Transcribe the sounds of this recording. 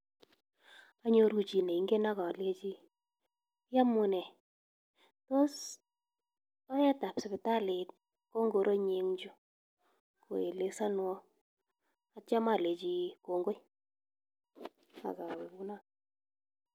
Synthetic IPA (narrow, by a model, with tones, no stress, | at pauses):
a˦ɲo˦ɾu˦t͡ʃi˨ne˨i˦ŋɡe˦na˦ka˨le˦t͡ʃi˦ | ja˦mʊ˦nɛ˨ | to˦s | ɔ˦jɛ˦ta˨psɪ˨bɪ˨ta˦le˨t̚ | ko˦ŋɡo˨ɾʔo˦ɲe˨˦ŋd͡ʒʊ˦ | ko̰˨e˨le˨sa˦n˦wɔ˦ | a˨t͡ʃa˦ma˦˨le˨t͡ʃi˦ko˨ŋɡo˦j | a̰˨ka˨we˨bu˦na˦